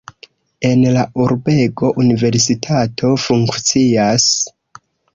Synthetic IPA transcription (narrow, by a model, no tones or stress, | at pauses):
e̞nlaʔuɾbe̞ɡo̞ʔunive̞ɾsitʰatʰo̞fuŋkt͡sias